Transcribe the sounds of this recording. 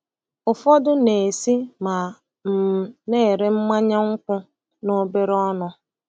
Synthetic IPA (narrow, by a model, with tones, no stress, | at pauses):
ʊ˨fɔ˦dʊ˦ne˨si˦ma˨ | m̩˨˦ne˦˨ɾe˦m̩˦ma˦ɲa˦ŋ̩˦kʷʊ˦ | no˦be˦ɾɔ˦nʊ˦